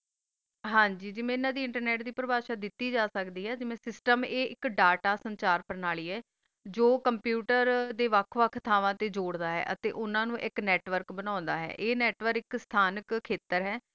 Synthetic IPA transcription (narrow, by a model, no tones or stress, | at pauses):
ɦãːɲd͡ʒiːd͡ʒɪmẽɪnãːd̪iːɪɳʈəɾnɛːʈd̪iːpɾəbaːʃaːd̪ɪt̪ːiːd͡ʒaːsəkd̪iːɦɛːd͡ʒɪmẽːsɪsʈəmeːɪkɖaːʈaːsəɲt͡ʃaːɾpəɾnaːliːɦɛː | d͡ʒoːkəmpjuːʈəɾd̪eːʋəkʰʋəkʰːt̪ʰaːʋãːt̪eːd͡ʒoːɽd̪aːɦɛ̰ːʔə̰t̪ḛːʔʊnãːnũːʔɪknɛːʈʋəɾkbənãːnd̪aːɦɛ̰ːʔeːnɛːʈʋəɾɪkst̪ʰaːnəkkʰːeːt̪əɾɦɛː